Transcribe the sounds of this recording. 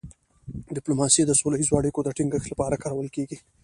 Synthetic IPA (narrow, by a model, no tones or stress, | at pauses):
ɖɪplomɑsid̪əsolaizoaɽikod̪əʈiŋɡəxt̪lapɑɾakɑɾawəlkeɡi